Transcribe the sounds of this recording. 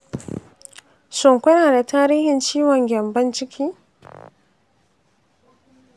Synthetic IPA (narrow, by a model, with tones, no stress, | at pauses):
sʊ˨ŋkʷɐ˦naː˨da˨taː˦ɾiː˦hɪ˨nt͡ʃiː˦wɔ˨ŋɡʲɛ˨mbɐ˦nt͡ʃɪ˦kʲʰiː˦